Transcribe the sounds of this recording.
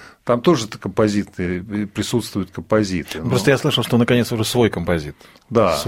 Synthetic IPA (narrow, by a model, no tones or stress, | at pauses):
t̪amt̪o̞ʐɨt̪əkəmpɐzʲit̪nɨjəpɾʲɪsut̪st̪vʊjʊt̪̚kəmpɐzʲit̪ɨnopɾost̪əjaslˠɨʂəlˠʂt̪onəkɐnʲesʊʐɛsvo̞jkəmpɐzʲit̪ | d̪as